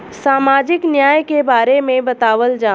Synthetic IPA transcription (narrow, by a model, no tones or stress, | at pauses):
saːmaːd͡ʒɪknjaːjkebaːɾemẽbɐt̪aːʋəld͡ʒaː